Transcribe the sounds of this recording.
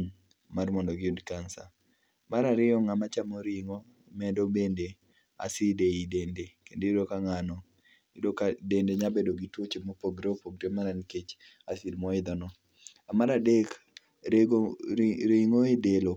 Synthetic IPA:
ɲ | marmɔndɔɡɪudkansa̰ | maɾaɾɪɔŋamat͡ʃamɔɾɪŋɔ | mɛdobende | a̰sɪdeidendekendoiɾokaŋanɔ | idokadendeɲabedoɡitwot͡ʃemɔpoɡɾeopoɡɾemaɾaniket͡ʃ | asilmɔɪd̪ɔnɔ | amaɾadek | eɡ | ɾiŋoedelo

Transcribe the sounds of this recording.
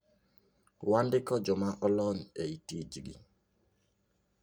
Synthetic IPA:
wandɪkɔd͡ʒɔmaʔɔlɔneitid͡ʒiɡḭ

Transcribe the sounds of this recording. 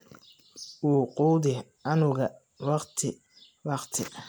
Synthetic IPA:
ʔuːquːd̪ɪ | ɐnʊɣɐ | wɑqt̪ʰɪ | wɑqt̪ʰɪ

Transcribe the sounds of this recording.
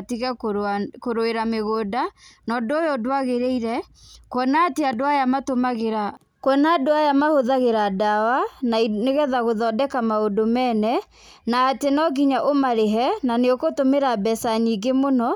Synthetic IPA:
tiɣɛkoɾoeɾameɣoːdanɔdojodwaɣeɾeiɾɛ | kwɔnateadoajamatomaɣeɾa | kwɔnaːdoajamahoðaɣeɾadawanaineɣɛðaɣoðɔdɛkamaodomɛnɛ | naːtenɔɡiɲaʔomaɾeɦɛnaneokotomeɾabɛsaɲiɡemonɔ

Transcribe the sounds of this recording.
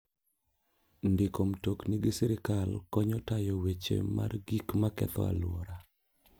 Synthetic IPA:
ndɪkomtokniɡɪsɛɾɪkalkɔɲɔtajɔwet͡ʃḛma̰rɡikmakɛ̰t̪ɔ̰a̰lwɔɾa

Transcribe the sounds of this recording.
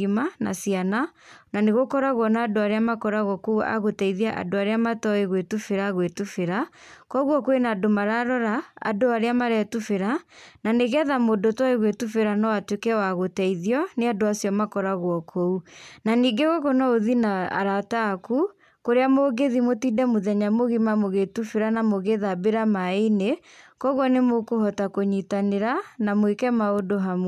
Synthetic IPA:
imana̰sianananeɣokɔɾaɣwɔnaːdoaɾeamakɔɾaɣwɔkoua̰ɣotɛiðiaʔa̰doaɾeamatɔeɣwetufeɾaɣwetufeɾakɔɣwɔkwenadomaɾaɾɔɾa̰ːdoaɾeamaɾɛtufeɾananeɣɛðamodotɔeɣwetufeɾanɔwatwekɛwaɣotɛiðiɔneadoasijɔmakɔɾaɣwɔkʰounaniːɡeɣɔkɔnɔoðinaa̰ɾataku | koɾeamoɡeðimotiːdɛmoðɛɲamoɣimamoɣetufeɾanamoɣeðabeɾamaene | kɔɣwɔnemokohɔtakoɲitaneɾanamwekɛmaodoɦamw

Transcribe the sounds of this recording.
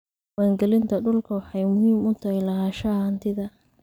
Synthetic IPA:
waːŋɡɛlɪnt̪ʰɐɖʊlkʰɐwɑħɑjmʊhiːmʊt̪ʰɐhɛlɐhaːʃɐhɐnt̪ʰɪðɐ

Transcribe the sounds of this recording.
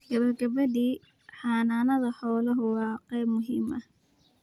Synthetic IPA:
ɡ̥ɐβɐɡɐβɐðiː | ħɑːnaːnɐðɐħɔːlɐɦʊwɑːqɛjbmʊɦiːmʔɐ

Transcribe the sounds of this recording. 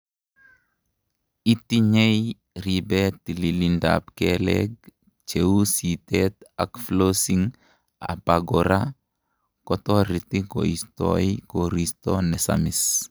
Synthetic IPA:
itiɲej | ɾibɛtililinda̰pkɛlɛ̰ɡ | t͡ʃeusitɛt̪a̰kflosiŋ | a̰paɡɔɾa | kɔtɔɾit̪iko̰istɔ̰ikoɾist̪ɔnɛsa̰mɪs

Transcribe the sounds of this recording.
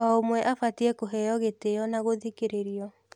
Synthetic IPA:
ɔomwɛʔafatiɛkoɦɛjɔɣeteɔnaɣoðikeɾeɾiɔ

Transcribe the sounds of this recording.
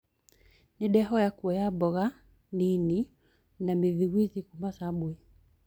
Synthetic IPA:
niɗɛɦɔjakuɛjabɔɣa | nini | namiðiwiðikumasaɓwɛ

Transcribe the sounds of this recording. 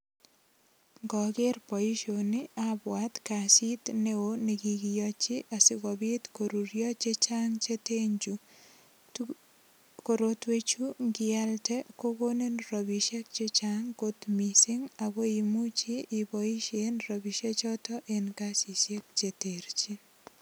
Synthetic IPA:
ŋɡɔkeɾpɔiʃonɪabwat̪kasit̪neonekiɡijɔt͡ʃiʔasɪkɔbit̪koɾuɾjɔt͡ʃet͡ʃaŋt͡ʃeteɲd͡ʒu | koɾotwet͡ʃuŋɡɪaltɛkokonenrɔbiʃek̚t͡ʃet͡ʃaŋɡot̪misɪŋaɡɔimut͡ʃiːbɔiʃenrɔbiʃet͡ʃɔtɔʔenkasisek̚t͡ʃeteɾt͡ʃin

